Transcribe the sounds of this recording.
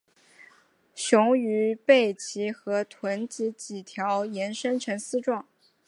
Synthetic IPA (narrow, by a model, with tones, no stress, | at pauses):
ɕjʊ˧˥ŋy˧˥pe˥˩ɪt͡ɕʰi˧˥xɤ˧˥t̪ʰwə˧˥nt͡ɕi˧˥t͡ɕi˨˩t̪ʰjɑ˧˥ʊjɛ˧˥nʂə˥nʈ͡ʂʰə˧˥ŋsɹ̩˥ʈ͡ʂwɑ˥˩ŋ